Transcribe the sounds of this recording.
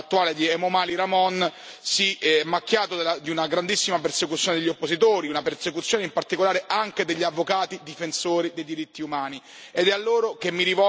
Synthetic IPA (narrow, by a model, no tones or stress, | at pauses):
at̪ːuaːled̪iɛmomaːliɾamɔnsimːak̟ːjaːt̪od̪elad̪iunaɡɾand̪isːimapersekut̪sjoned̪eʎːopːosit̪oːɾiunapersekut̪sːjoːneimpart̪ikolaːɾeʔaŋked̪eʎːavːokaːt̪id̪ifensoːɾid̪ejd̪iɾit̪ːiumaːni | ed̪ɛalːoːɾokemːiɾivɔ